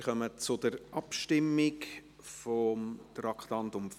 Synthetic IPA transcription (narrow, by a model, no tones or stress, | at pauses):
χœmət͡sʊd̪əɾʔɑpʃtɪmːɪk | fɔmtɾɑkχtɑnt̪ʊmf